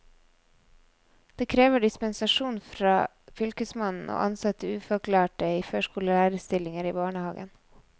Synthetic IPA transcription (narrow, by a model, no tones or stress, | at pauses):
d̪̥eːkʰɾeːʋəɖɪspənsɑʃuːnfɾɑ̰ː | fʏlkəsmɑnn̩o̰ːʔɑnsɑt̪əʉːfɔɾkʰlɑːʈəiːføːʃkuːləlæːɾəst̪ɪlɪŋəɾiːbɑːɳəhɑːɡə̰n